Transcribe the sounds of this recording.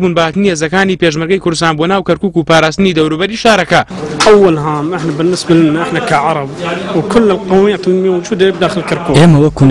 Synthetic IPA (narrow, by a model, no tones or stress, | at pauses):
buːnbahaːt̪ɨnihezɐkaːnipeʒmɨɾɡɐjkʊɾd̪ʊst̪aːnbonaːwkɐɾkuːkupaːɾaːst̪ɨnid̪ɐwɾubɐɾiʃaːɾɐkɐʔawːalɦaːmʔɪħnabɪnːɪsbalɪnːaʔɪħnakaʕɑɾˤɑbwkʊlːɪlqɑwjat̪ɪlmiwʊd͡ʒuːd̪ab̚d̪aːxəlkɪɾkuːʔeːmawɐkun